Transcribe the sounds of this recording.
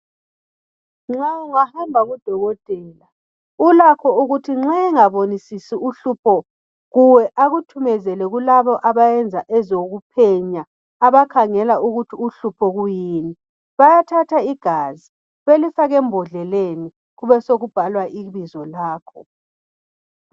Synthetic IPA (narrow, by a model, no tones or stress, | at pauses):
ŋ͡ǁauŋahambʱaɣud̥ʱɔɣɔtʼɛːla | ulakʰɔuɣutʰiŋ͡ǁɛŋaβonisisiuɬupʰɔ | ɣuwɛʔaɣutʰumɛzɛlɛɣulaβɔʔaβajɛnd͡zʱaʔɛzoɣupʰɛɲaː | βakʰaŋɛlauɣutʰiuɬupʰɔɣujiːni | βajatʰatʰaiɡ̥ʱazi | βelifaɣɛmbʱɔɮɛleni | ɣuβɛsoɣub̥ʱalwaʔiβizɔlaːkʰɔ